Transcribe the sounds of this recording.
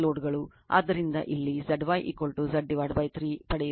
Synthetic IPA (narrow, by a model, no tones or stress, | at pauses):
loːɖɡɐɭu | a̰ːd̪ːɐɾind̪ɐ̰ʔilːizɐɖʋaːjʔḭkolʈuzɐɖːiʋaːɖʋaːjt̪ʰɾiːpɐɽɛj